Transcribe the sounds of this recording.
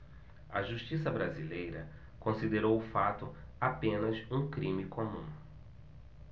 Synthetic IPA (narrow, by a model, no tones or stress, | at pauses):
ɐ̰ʒuʃt͡ʃisɐbɾazilejɾɐ | kõsid̪eɾowʊfat̪ʊapẽnɐsũkɾĩmikomũ